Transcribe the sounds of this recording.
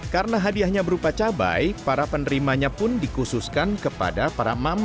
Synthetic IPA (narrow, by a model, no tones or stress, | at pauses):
kaɾənaɦadiahɲabəɾupat͡ʃaba̰jpaɾapənəɾimaɲapʊndikususkankəpa̰dapaɾamam